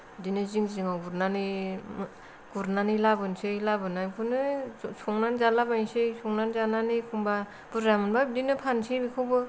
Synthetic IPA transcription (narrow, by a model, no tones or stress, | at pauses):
dinɯziŋziŋawɡuɾnani | ɡ̥uɾnanilabɯnsɯjlabɯnajkʰunɯsuŋnanzalabajsɯjsuŋnanzananɯjkʰumba | b̥uɾamɯnbadinɯpʰansibikʰɯbɯ